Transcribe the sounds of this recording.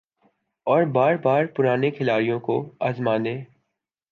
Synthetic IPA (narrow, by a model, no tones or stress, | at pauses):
ɔːɾbaːɾbaːɾpʊɾaːnekʰɪlaːɾijõko̰aːzmãːneː